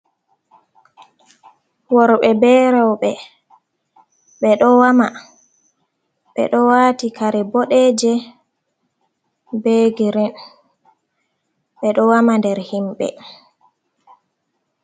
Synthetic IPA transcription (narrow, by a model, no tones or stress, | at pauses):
wɔɾɓɛbɛɾawɓɛ | ɓɛɗɔwama | ɓɛ̰ɗɔwaːtikaɾɛboɗɛːd͡ʒɛ | beɡiɾɛn | ɓɛɗɔwamandɛɾhimɓɛ̰